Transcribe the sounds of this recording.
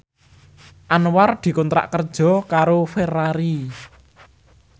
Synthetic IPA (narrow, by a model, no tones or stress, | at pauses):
ʔanward̪̥i̤kɔnt̪ɾa̰ʔkərd̥ʒ̥ɔ̤kaɾoferaɾi